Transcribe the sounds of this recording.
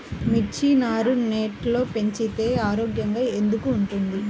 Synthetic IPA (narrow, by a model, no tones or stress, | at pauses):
mit͡ʃinaːɾuneːʈlo̞ːpe̞ɲt͡ʃit̪e̞ːaːɾoːɡjɐŋɡaːe̞nd̪ukuːɳʈund̪i